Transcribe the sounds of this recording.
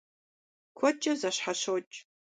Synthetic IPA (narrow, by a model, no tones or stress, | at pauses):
kʷʰɔt͡ʃʼɐzaɕħaɕot͡ʃʼ